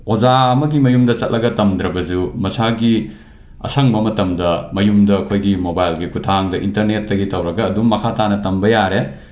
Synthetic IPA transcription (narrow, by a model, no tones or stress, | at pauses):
od͡ʒaɐmɐɡimɐjumdɐt͡ʃɐt̚lɐɡɐtɐmd̪ɾɐbɐd͡ʒumɐsaɡi | ɐ̰sɐŋbɐmɐtɐmdɐmɐjumdɐːkʰojɡimobajlɡikʰutʰaŋdɐʔḭntɐɾnetːɐɡitɐwɾɐɡɐːduːɐkʰatanɐtɐmbɐjaɾe